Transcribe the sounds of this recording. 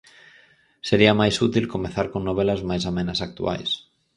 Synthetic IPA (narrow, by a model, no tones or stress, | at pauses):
seɾiamajsut̪ilkomeθaɾkoŋnoβ̞elazmajsamẽnasak̚t̪ṵa̰js